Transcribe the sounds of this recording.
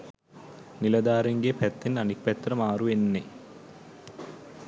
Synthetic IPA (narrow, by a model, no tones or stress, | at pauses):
nilɐd̪aːɾeŋɡepɛt̪ːinɐnik̚pɛt̪ːrɐmaːɾuenːe